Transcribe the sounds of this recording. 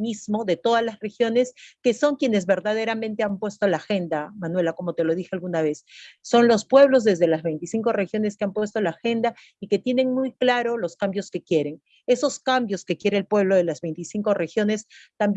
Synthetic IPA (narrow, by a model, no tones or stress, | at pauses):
mizmo̞ðe̞t̪o̞ðaslasre̞xjo̞ne̞ske̞so̞ŋkje̞ne̞zβe̞ɾðað̞e̞ɾamẽnt̪e̞ampwe̞st̪olaːxe̞nd̪amanwe̞lako̞mo̞t̪e̞lo̞ðixealɣunaβ̞e̞sːo̞nlospwe̞βlo̞zðe̞zðe̞lazβe̞jnt̪isiŋko̞re̞xjo̞ne̞skeampwe̞st̪olaːxe̞nd̪a | ike̞t̪je̞ne̞ŋmujklaɾo̞lo̞skambjo̞ske̞kje̞ɾe̞ŋ | e̞so̞skambjo̞ske̞kje̞ɾeːlpwe̞β̞lo̞ðelazβe̞jnt̪isiŋko̞re̞xjo̞ne̞st̪amb